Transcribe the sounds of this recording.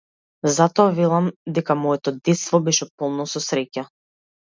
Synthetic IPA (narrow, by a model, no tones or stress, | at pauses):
zat̪ɔavɛlˠamd̪ɛkamɔɛt̪ɔd̪ɛt̪st̪vɔbɛʃɛpɔlˠnɔsɔsɾɛca